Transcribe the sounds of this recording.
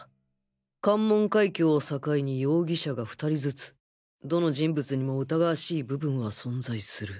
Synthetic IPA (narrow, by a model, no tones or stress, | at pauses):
kãmːõ̞ŋkaikʲo̞ːsakaiɲ̟ijo̞ːɡʲiɕaɡaɸɯ̟̥t̪aɾʲizɨt͡sɨ̥ | d̪o̞no̞ʑĩmbɯ̟t͡sɨɲ̟imo̞ɯ̟t̪aɡaːɕiːbɯ̟bɯ̟̃ɰ̃βasõ̞nd͡zaisɨɾɯ̟